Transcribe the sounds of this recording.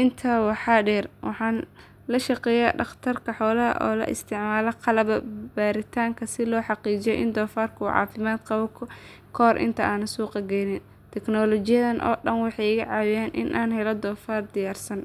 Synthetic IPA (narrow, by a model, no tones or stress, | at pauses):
ʔɪnt̪ʰaːwɑħɑːɖɛːrwɑħɑːn | lɐʃɑqɛːja̰ːɖɑχt̪ʰɐrkʰɐħɔːlɐɦɐ̰ʔɔ̰ːlɐ̰ʔɪ̰st̪ʰɪʕmaːlɐqʰɑlɐβɐbaːɾɪt̪ʰaːŋkʰɐsɪlɔːħɑqiːd͡ʒɪjɔʔɪ̰nd̪ɔːfaːrkʰɐʕɑ̰ːfɪmaːd̪qɑβɔkʰʊ | kʰɔːrʔɪ̰nt̪ʰɐʔaːnɐsuːqɑɡɛjnɪn | t̪ʰɛknɔːlɔt͡ʃɪjɐðɐnʔɔ̰ːɗɐnwɑħɑjɪɣɐʕɑːwɪjaːnʔɪ̰nʔaːnɦɛlɔd̪ɔːfaːrd̪ɪjaːrsɐn